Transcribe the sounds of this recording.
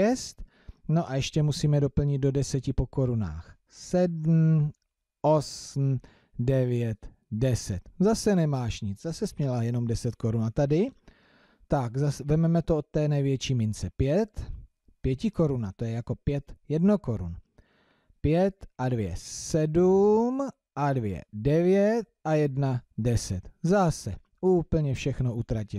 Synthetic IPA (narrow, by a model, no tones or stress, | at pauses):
ɛst̪ | no̞ʔajɛʃcɛmusiːmɛdo̞pl̩ɲɪd̪̚do̞dɛsɛcɪpo̞ko̞ɾuna̰ːx | sɛdm̩ | ʔo̞sm̩ | dɛvjɛt̪ | dɛsɛt̪zasɛnɛmaːʃɲɪt͡szasɛspɲɛlajɛno̞mdɛsɛt̪ko̞ɾunat̪adɪ | t̪akzavɛmɛmɛt̪oʔot̪ːɛːnɛjvjɛt͡ʃiːmɪnt͡sɛpjɛt̪ | pjɛcɪko̞ɾunat̪o̞jɛjako̞pjɛt̪jɛdno̞ko̞ɾṵn | pjɛt̪ʔadvjɛ̰sɛdum | ʔadvjɛ̰dɛvjɛt̪̚ʔajɛdnadɛsɛt̪zasɛ | uːpl̩ɲɛfʃɛxno̞ʔut̪ɾacɪ